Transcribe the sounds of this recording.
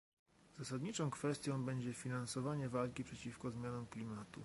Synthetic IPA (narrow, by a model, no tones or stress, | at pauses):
zasad̪ɲit͡ʂɔ̃w̃kfɛst̪ʲjɔ̃w̃bɛɲd͡ʑɛfʲinansɔvaɲɛvalkʲipʂɛt͡ɕifkɔzmʲjanɔmklʲimat̪u